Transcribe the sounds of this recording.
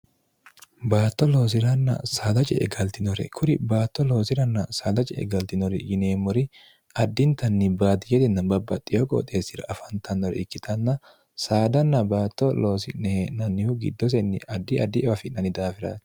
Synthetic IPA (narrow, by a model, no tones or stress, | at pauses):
baːt̪ːɔlo̞ːs̬ɪɾɐnːɐ̰saːd̪ɐt͡ʃʼɛʔɛ̰ɡɐlt̪ɪnɔɾɛ̰kʰʊɾɪbaːt̪ːɔlo̞ːsɪɾɐnːɐsaːd̪ɐt͡ʃʼɛɛ̰ɡɐlt̪ɪnɔɾɪ̰jɪneːmːɔɾɪ | ɐd̪ːɪnt̪ɐnːɪbaːd̪ɪjɛt̪ɪnːɐbɐbːɐt̪ʼːɪjokʼɔ̰t̪ʼeːsɪɾɐ̰ʔɐfɐnt̪ʰɐnːɔɾɛ̰ʔɪkːɪt̪ʰɐnːɐ | saːd̪ɐnːɐbaːt̪ːɔlo̞ːsɪʔnɛhenɐnːɪhʊɡɪ̰d̪ːɔs̬ɛnːɪʔɐd̪ːɪɐd̪ɪɛfɐfɪnɐnɪd̪aːfɪɾa̰ːt̪